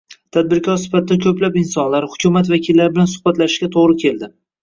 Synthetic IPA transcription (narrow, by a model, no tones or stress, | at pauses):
t̪ʰad̪̚bɪɾkʲʰɒɾsɪ̥fat̪ʰɪd̪akʲʰɵplapɪnsɒnlaɾhʊkʲʰʊmat̪vakʲʰilːaɾbɪlansʊ̥hbat̪laʃɪ̥ʃkʲat̪ʰoʁɾɪkʲʰe̞ld̪ɪ